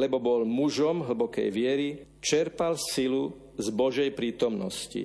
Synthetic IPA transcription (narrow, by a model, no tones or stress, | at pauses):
lɛbɔbɔlmuʒɔmɦl̩bɔkɛ̰jʋɪɛɾi | t͡ʃɛɾpalsilu | zbɔʒɛjpɾiːt̪ɔmnɔscḭ